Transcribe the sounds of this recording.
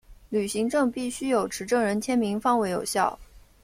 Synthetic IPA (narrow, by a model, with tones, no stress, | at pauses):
ly˨˩ɕi˧˥ŋʈ͡ʂɤ˥˧ŋpi˥˩ɕy˥jo˨˩ʊʈ͡ʂʰɻ̩˧˥ʈ͡ʂɤ˥˩ŋɻə˧˥nt͡ɕʰjɛ˥nmi˧˥ŋfɑ˥ŋwe˧˥ɪjo˨˩ʊɕjɑ˥˩ʊ